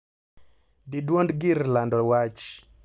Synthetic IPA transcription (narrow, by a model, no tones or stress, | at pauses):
didwondɡiɾlandɔwat͡ʃ